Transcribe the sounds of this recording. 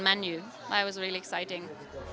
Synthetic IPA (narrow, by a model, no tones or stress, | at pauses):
mãnju | a̰ɪwɔzɹiliɛksaɪtɪ̃ŋ